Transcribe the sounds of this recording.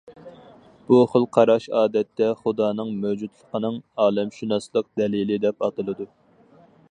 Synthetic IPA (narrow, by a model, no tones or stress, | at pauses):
b̥uχəlˠqʰɑɾɑʃɑːd̪ɛt̪ʰːɛχud̪ɑːnɨŋmɛwd͡ʒut̪lˠəqʰənɨŋɑːlɛmʃunɑslˠəq̚d̪ɛlilɪd̪ɛpɑt̪ɨlˠɨd̪u